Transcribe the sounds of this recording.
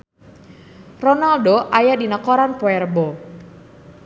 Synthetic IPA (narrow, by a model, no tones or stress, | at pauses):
rɔnaldoʔajadinəkɔɾanpoɛrbɔ